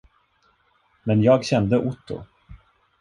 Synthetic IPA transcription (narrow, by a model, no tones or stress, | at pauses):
mɛnjɑːɡɕɛnd̪əʔʊt̪ːʊ̰